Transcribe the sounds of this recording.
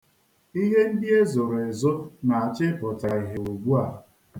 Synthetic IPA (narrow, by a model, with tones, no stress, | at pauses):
i˦ɦe˦n̩˦dɪ˦e˦zo˨ɾe˨zʊ˦na˨a˨t͡ʃɪ˦pʊ˨ta˨i˨ɦe˨o˨ɡ͡bu˦a˦˨